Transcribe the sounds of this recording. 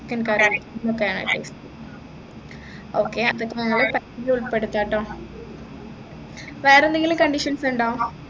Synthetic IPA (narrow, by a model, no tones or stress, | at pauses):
kːɐnkaːɾɐt̪ːɐlokːejaːɳɐ̰ʈḛːst̪u | oːkːeɐðokːenɐŋːɐɭepakd͡ʑuɭpːe̞ɽut̪ːaːʈːoː | ʋeːɾend̪eŋɡilɨmkɐɳɖiʂɐnsuɳɖoː